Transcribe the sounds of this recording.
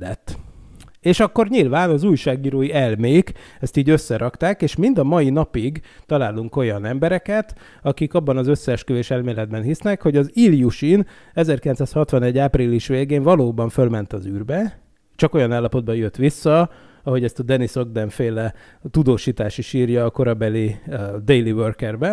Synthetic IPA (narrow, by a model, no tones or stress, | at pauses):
ɛt̪ː | eːʃɒkːo̞rɲilvaːnɒzuːjʃaːɡiːɾoːjiɛlmeːkɛst̪iːɟø̞sːɛɾʔɒkt̪aːkeːʃmind̪ɒmɒjin̪ɒpiɡt̪ɒlaːluŋko̞jɒnɛmbɛɾɛkɛt̪ | ɒkikɒbːɒnɒzø̞sːɛːʃkøveːʃɛlmeːlɛd̪̚bɛnɦisnɛkho̞ɟɒzilijuʃin | ɛzɛrkilɛnsaːshɒt̪ʋɒnɛɟːaːpriliʃʋeːɡeːɱvɒloːbɒɱfølmɛnt̪ɒzyːrbɛ | t͡ʃɒko̞jɒnaːlːɒpo̞d̪̚bɒjøt̪ʋisːɒ | ɒɦo̞ɟɛst̪ɒd̪ɛnisoɡd̪ɛɱfeːlɛ | t̪ud̪oːʃiːt̪aːʃiʃiːrjɒːko̞ɾɒbɛlid̪ejliʋørkɛrbɛ